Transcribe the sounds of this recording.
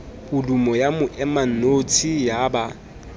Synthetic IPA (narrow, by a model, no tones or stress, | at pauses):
bʊlumɔjamʊʔɛman̩not͡sʰijaba